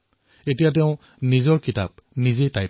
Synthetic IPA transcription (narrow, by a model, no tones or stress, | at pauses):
etijat̬eʊ̃ | nizɔɹkita̰p̚nizetaj